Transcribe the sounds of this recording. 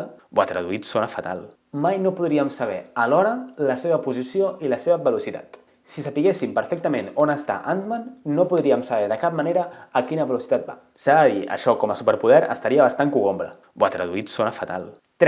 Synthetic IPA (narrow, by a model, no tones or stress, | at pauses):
bwat̪ɾə̰ðuit̪sonəfat̪a̰lˠ | majnopuðɾiəmsəβ̞ɛəlɔɾələseβəpuzisioiləseβəβəlusit̪a̰t̪ | sisapiɣesimpəɾfek̚t̪əmenonəst̪a̰ʔant̪manːopuðɾiəmsəβ̞ɛðəkap̚maneɾəːkinəβəlusit̪at̪̚ba̰ | saðəðiə̰ʃɔkɔməsupəɾpuð̞ɛɾə̰st̪aɾiəβast̪aŋkuɣombɾə̰ | bwa̰t̪ɾə̰ðuit̪sonəfat̪a̰lˠ | t̪